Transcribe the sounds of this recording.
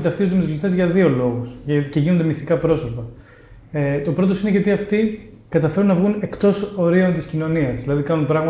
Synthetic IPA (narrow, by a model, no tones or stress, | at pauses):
t̪ɐft̪izd̪umet̪uzlist̪ezʝɐðio̞lo̞ɣusce̞ʝinond̪e̞mist̪ikɐpɾo̞so̞pɐ | t̪o̞pɾo̞t̪̬o̞sineʝɐt̪iɐft̪i | kɐt̪ɐfe̞ɾunːɐvɣune̞kt̪o̞so̞ɾio̞nt̪iscino̞niɐzðilɐðikɐnunpɾɐɣmɐ